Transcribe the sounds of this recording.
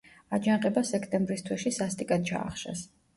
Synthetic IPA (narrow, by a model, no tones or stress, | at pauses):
ad͡ʒanqʼɛbasɛkʰt̪ʼɛmbɾist̪ʰwɛʃisast̪ʼikʼad̪̚t͡ʃʰa̰ːχʃa̰s